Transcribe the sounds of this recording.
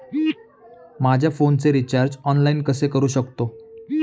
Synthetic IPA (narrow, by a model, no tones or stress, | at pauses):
mad͡ʑʱjafont͡seɾit͡ɕaɾd͡ʑɔnlainkəsekəɾuːɕəkt̪o